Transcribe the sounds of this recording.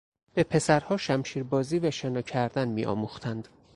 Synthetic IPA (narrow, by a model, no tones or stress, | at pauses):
b̥e̞pʰe̞sæɾhɒːʃæmʃiːɾbɒːziːvæʃenɒːcʰæɾd̪ænmiːʔɒ̰ːmuxt̪ʰænd̪̥